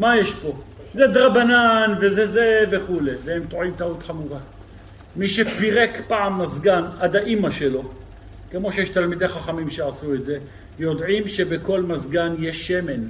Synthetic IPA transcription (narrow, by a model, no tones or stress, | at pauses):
majeʃpo̞ | zed̪ʁabananvezezeve̞χule̞vehemt̪oʕimtaut̪χamuʁa | miʃepiʁekpaʕamːazɡanad̪aʔimaʃelo̞ | ke̞mo̞ʃejɛʃt̪almid̪eχaχamimʃeʕasuetze̞ | jo̞dʕimʃe̞beko̞lmazɡanjeʃːeme̞n